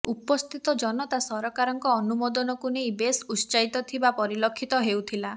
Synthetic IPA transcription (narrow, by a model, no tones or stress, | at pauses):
upɔst̪ʰit̪ɔd͡ʒɔnɔt̪asɔɾɔkaɾɔŋkɔːnumɔd̪ɔnɔkunejbesust͡ʃajt̪ɔt̪ʰibapɔɾilɔkʰːit̪ɔɦewt̪ʰila